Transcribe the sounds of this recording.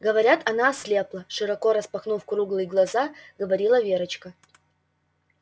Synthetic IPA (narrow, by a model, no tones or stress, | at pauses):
ɡəvɐɾʲat̪ʰɐnasʲlʲeplˠəʂɨɾɐkoɾəspɐxnufkɾuɡlˠɨjɡlˠɐzaɡəvɐɾʲilˠəvʲeɾət͡ɕkə